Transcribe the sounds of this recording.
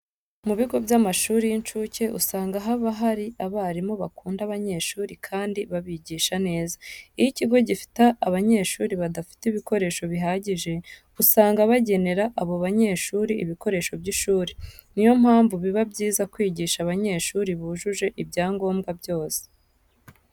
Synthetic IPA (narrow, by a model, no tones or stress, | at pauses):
muβiɡo̞bjamaʃuːɾijint͡ʃuce̞ʔusaːŋɡaɦaβaɦaɾiʔaβaɾimo̞βakuːndaβaɲe̞ːʃuːɾikʰaːndiβaβiɟiːʃane̞ːzaijiciɡo̞ɟifi̥taːβaɲe̞ːʃuːɾiβadafi̥tiβiko̞ɾe̞ːʃo̞βiɦaɟiʒe̞ | usaːŋɡaβaɟe̞ne̞ɾaʔːβo̞βaɲe̞ːʃuːɾiḭβiko̞ɾe̞ːʃo̞bɟiʃuːɾinijo̞m̥haːɱvuβiβabɟiːzakwiːɟiːʃaβaɲe̞ːʃuːɾiβuːʒuʒe̞ʔibɟaːŋɡo̞ːmɡabɟo̞ːse̥